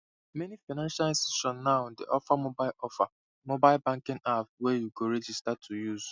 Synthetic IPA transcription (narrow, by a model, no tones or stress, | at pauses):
menifanãnʃalĩnstuʃɔ̃nːaʊdḛʔɔfamobaɪlɔfa | mobaɪlbãŋkɪ̃ŋavwejuɡoɾed͡ʒistatʰujuz̥